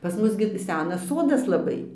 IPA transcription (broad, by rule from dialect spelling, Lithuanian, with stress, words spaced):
pɐs ˈmʊs ɡʲɪ ˈsʲæːnɐs ˈsoːdɐs lˠɐˈbɐɪ